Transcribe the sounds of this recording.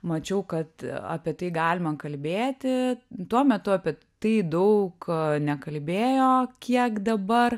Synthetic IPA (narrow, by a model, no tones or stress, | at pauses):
mɐt͡ʃʲɛʊkɐt̪ɐ̰pʲiɛt̪ɐɪɡɑːlʲɪmɐkɐlʲbʲeːt̪ʲɪt̪uɔmʲɛt̪ʊɐpʲiɛ | t̪ɐɪd̪ɐʊknʲɛkɐlʲbʲeːjoːkʲiɛkd̪ɐbɐr